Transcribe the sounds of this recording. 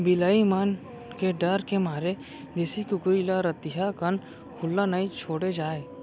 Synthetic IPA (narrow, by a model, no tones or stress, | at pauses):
bɪlaːimaːn | keɖəɾkemaːɾe | d̪eːsikʊkɾilaɾət̪ɪɦakən | kʰʊlːanait͡ʃʰoːɽed͡ʒaːe